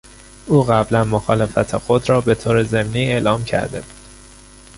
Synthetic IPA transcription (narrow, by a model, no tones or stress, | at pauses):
ʔuːɣæblænmoxɒːle̞fæt̪ʰexod̪ɾɒːbe̞t̪ʰoːɾeze̞mniːe̞ːlɒːmcʰæ̰ɾd̪e̞̰bu̥d̪̥